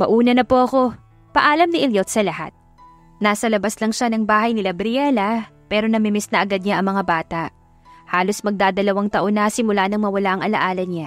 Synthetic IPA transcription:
mɐʔuːnɐnɐpoʔɐko̞ | pɐʔaːlɐmnɪʔɛljot̪̚sɐlɐha̰t̪̚ | naːsɐlɐbaslɐŋʃanɐŋbaːhɐjnɪlɐbɾɪɛlɐpɛːɾo̞nɐmɪmɛsnɐʔɐɡad̪̚ɲaʔɐŋmɐŋabaːt̪ɐʔ | haːlo̞smɐɡ̚d̪aːd̪ɐlɐwaŋt̪ɐʔo̞nːɐsɪmʊlanɐŋmɐwɐlaʔɐŋʔɐlɐʔaːlɐɲa

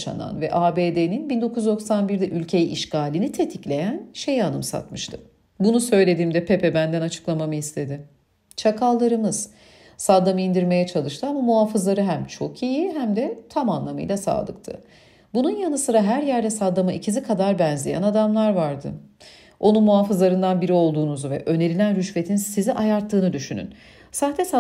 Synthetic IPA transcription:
ʃa̰na̰nvɛʔaːbeːd̪eninbind̪o̞kʰuzd̪o̞ksanbiɾd̪ɛʔylʲcʰe̞jiʔːʃkʰaːlʲinit̪ʰe̞t̪ʰiclʲe̞jænʃe̞janɯ̰msa̰t̪mɯʃt̪ʰɯ | bunusø̞jlʲe̞d̪iːmd̪ɛpʰepʰɛbænd̪ænat͡ʃʰɯ̥klˠamamɯist̪ʰe̞d̪ɪ | t͡ʃʰakʰalˠːaɾɯmɯz̥ | sad̪ːamɯind̪iɾme̞jɛt͡ʃʰalˠɯʃt̪ʰɯamamuɦaːfɯzlˠaɾɯɦæmt͡ʃʰo̞kʰijiɦæmd̪ɛt̪ʰamanlˠamɯ̰jlʲˠasa̰ːlˠɯ̰k̚t̪ʰɯ̰ | bununjanɯsɯɾaɦæɾjæɾd̪ɛsad̪ːamaʔicʰizikʰad̪aɾbænzʲijæ̰nad̪amlˠaɾvaɾd̪ɯ̰ | o̞nunmuɦaːfɯzlˠaɾɯnd̪anbiɾio̞lˠd̪uːnuzuvɛ̰ʔø̞ne̞ɾilʲænɾyʃve̞t̪ʰinsiziʔajaɾt̪ʰːɯːnɯd̪yʃyny̰n | saːht̪ʰɛs

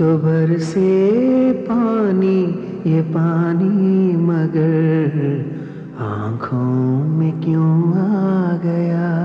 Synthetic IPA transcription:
t̪obʱɐɾse | paːni | jepaːnimɐɡəɾɾ | ã̰ːkʰõmẽkjõaɡɐjaː

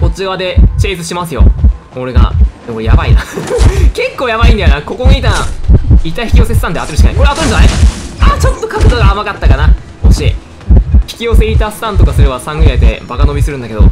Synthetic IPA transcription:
ko̞t͡ɕiβad̪e̞t͡ɕe̞ːzɨɕimasɨjo̞̰ | o̞ɾe̞ɡa̰d̪ekoɾejabaina̰ | ke̞kːo̞ːjaβaĩnd̪ajonako̞koɲiit̪aait̪ːaçi̥kʲijo̞sesɨ̥t̪ãnd̪eat̪ːeɾɯɕi̥kaaiko̞ɾeat̪oɾɯ̃ndanaat͡ɕo̞t̪ːo̞kakɯd̪oɡaːmakat̪ːakana | oɕe | çi̥kʲio̞se̞it̪asɨ̥t̪ãnt̪o̞kasɨɾe̞βasãŋɡɯ̟ɾiat̪e̞̰bakano̞bʲisɨɾɯ̟nd̪ake̞d̪o̞̰

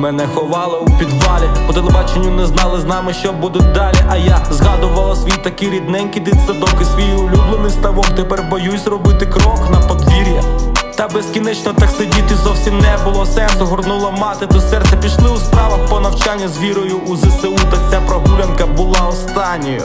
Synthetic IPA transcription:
mɛnɛxɔʋɑlˠɐupʲid̪ʋɑlʲipɔt̪elˠebɑt͡ʃenʲːʊnɛznɑlˠɪznɑmɪʃt͡ʃɔbud̪ʊt̚ʲd̪ɑlʲiʔɐjazɦɑd̪ʊʋɐlˠɐsʲʋijit̪ɐkɪɾʲid̪nɛnʲkʲid̪ɪt̪sɛd̪ɔkɪsʋɔjiʊlʲublˠɪnɪst̪ɐʋɔmt̪epɛrbɔjusʲrɔbɪt̪ɪkɾɔknɐpɔd̪ʲʋʲiɾʲijɐt̪ɐbeskʲinɛt͡ʃnɔt̪ɑksedʲit̪ɪzɔwsʲimnɛbʊlˠɔsɛnsɦɔrnulˠɐmɑt̪ɪt̪ɔsɛrt̪sɛpʲiʃlˠɪʊspɾɑʋɐxpɔnɐwt͡ʃɑnʲːɐzʲʋʲiɾɔjʊːzeseut̪ɐt͡sʲapɾɔbuɾʲɐnkɐbʊlˠɑɔst̪ɑnʲːɔjʊ̰

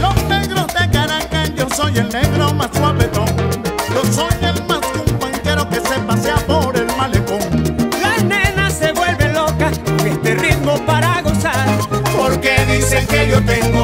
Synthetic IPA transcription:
lo̞sne̞ɣɾo̞zd̪e̞kaɾaŋkajosojelneɣɾo̞maswaβet̪oŋloso̞jelmaskuŋkwaŋke̞ɾo̞ke̞se̞paseapo̞ɾe̞lmalekoŋlasnenase̞βwe̞lβe̞lo̞kaest̪erit̪mo̞paɾaɣo̞saɾpoɾkeðiseŋkeʝot̪eŋ

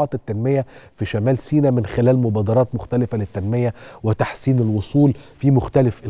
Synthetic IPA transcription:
ɑːt̪ɪt̪ːænmɪjæfiʃæmæːlsiːnæmɪnxɪlæːlmobɑːd̪ɑɾˤɑːt̪mʊxt̪ælɪfælɪt̪ːænmɪjæwɪt̪aħsiːnelwosˤuːlfimʊxt̪ælɪf

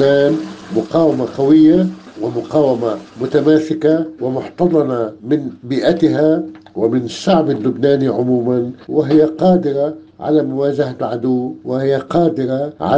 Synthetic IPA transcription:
aːnmʊqɑːwamaqawɪjːawɪmʊqɑːwamamʊt̪amaːsɪkawɪmʊħt̪ɑd̪ˤɑnamɪnbiːʔat̪ɪɦa | wɪmɪnʃːaʕbɪlːʊbnaːniʕʊmuːmanwɪɦɪjːaqɑːd̪ɪɾa | ʕa̰lamʊwaːʒahaʕad̪ʊwwɪhɪjːaqɑːd̪ɪɾaʕa̰

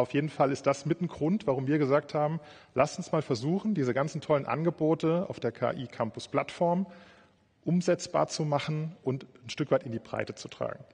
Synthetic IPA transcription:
ʔaʊfjeːdn̩falɪstd̥asmɪtn̩ɡʁʊntv̥aʁʊmviːɐɡəzaːk̚thaːbm̩ | lʔastʊnsmaːlfɛɐzuːxn̩diːzəɡant͡sn̩tʰɔlənʔa̰nɡəboːtəa̰ʊfd̥eːɐkʰa̰ːʔiːkʰampʊspl̥atfɔɐm | ʔʊmzɛt͡sb̥a̰ːɐt͡sumaχn̩ʔʊntn̩ʃtʏkv̥aɪtɪndiːbʁ̥a̰ɪtət͡sutʁ̥a̰ːɡŋ̩

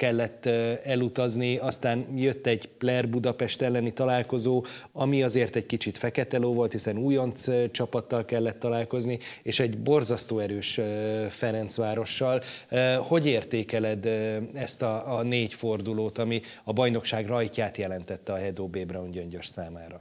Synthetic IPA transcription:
kɛlːɛt̪ːɛlut̪ɒzniɒst̪aːnjø̞t̪ːɛɟplɛrbud̪ɒpɛʃt̪ɛlːɛnit̪ɒlaːlko̞zoːɒmiɒzeːrt̪ɛɟkit͡ʃit̪fɛkɛt̪ɛloːvo̞lt̪hisɛnuːjo̞nt̪st͡ʃɒpɒt̪ːɒlkɛlːɛt̪ːɒlaːlko̞znieːʃɛɟbo̞rzɒst̪oːɛɾøːʃfɛɾɛnt̪sʋaːɾo̞ʃːɒlho̞ɟeːrt̪eːkɛlɛd̪ɛst̪ɒneːcfo̞rd̪uloːt̪ɒmi | ɒbɒjno̞kʃaːɡrɒjcaːt̪jɛlɛnt̪ɛt̪ːɛɒɦɛd̪oːbeːbrɒuɲɟøɲɟøʃsaːmaːɾɒ

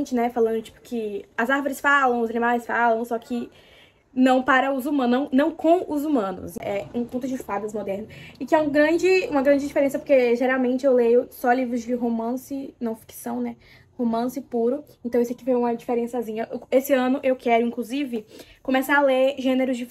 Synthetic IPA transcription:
t͡ʃɪnɛfalɐ̃nd̪ʊt͡ʃi̥pʊ̥kʰɪɐzaɾvoɾɪsfalɐ̃w̃ʊzɐnĩmajsfalɐ̃w̃sɔkʰɪ | nɐ̃w̃paɾɐʊzumɐ̃nɐ̃w̃nɐ̃w̃kõw̃ʊzumɐ̃nʊ̰sɛũpõt̪ʊd͡ʒɪɪspad̪ɐzmod̪ɛɾnʊɪkɪɛũɡɾɐ̃d͡ʒɪũmɐɡɾɐ̃nd͡ʒɪd͡ʒifeɾẽsɐpoɾkeʒeɾawmẽt͡ʃɪewlejʊsɔlivɾʊzd͡ʒɪɦomɐ̃sɪnɐ̃w̃fi̥ksɐ̃w̃nɛ | homɐ̃sɪpuɾʊẽt̪ɐ̃w̃isɐkɪvejũmɐd͡ʒifeɾẽsɐzĩɲɐʔesɪɐ̃nʊʔewkɛɾʊĩklʊzivɪkõmɛsãaleɾʒẽneɾʊzd͡ʒɪ

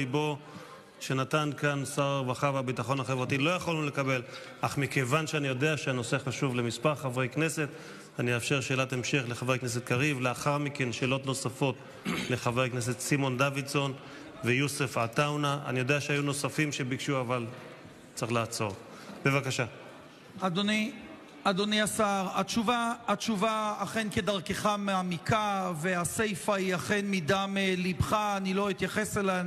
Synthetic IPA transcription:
ibo | ʃe̞nat̪ankansaʁaʁvaχavabit̪aχo̞nhaχevʁat̪ilo̞jaχolule̞kabe̞l | ʔaχmike̞vanʃeanijo̞de̞aʃeano̞se̞χaʃuvle̞mispaʁχavʁejkne̞se̞t̪ | aniafʃeʁʃe̞ːlatemʃeχleχavʁejknes̬et̪̚kaʁivleaχaʁmike̞nʃeːlo̞t̪no̞safo̞t̪ | le̞χavʁejkne̞s̬e̞t̪simo̞nd̪avitso̞n | vejusefat̪awnaʔa̰nijo̞d̪eaʃeajuno̞safimʃebikʃuaval | t͡saiχlaːt͡so̞ʁ | b̥e̞vakaʃa | ad̪oni | ad̪oniasaʁat͡ʃuvaːt͡ʃuvaːχenke̞d̪aʁkeχameamikʰavease̞jfaiaχenmid̪amelibχaːnilo̞it̪jaχe̞selan

